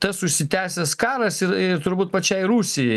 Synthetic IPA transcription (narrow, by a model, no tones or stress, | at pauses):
t̪ɐsʊʃʲsʲɪt̪ʲæːsʲɛskɑːɾɐsɪɾɪɾt̪ʊɾbuːt̪̚pɐt͡ʃʲɛɪɾuːsʲɪjɛɪ